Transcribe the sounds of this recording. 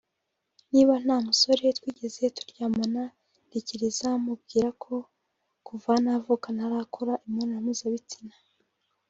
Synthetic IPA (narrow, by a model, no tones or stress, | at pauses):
niβan̥haːmuso̞ɾetwiːɟe̞ze̞tu̥ɾɟaːmona | diciɾizamub̚ɡiːɾakʰo̞ | kuvanavukanaɾakuɾaʔimŋoneɾamizaβit͡sina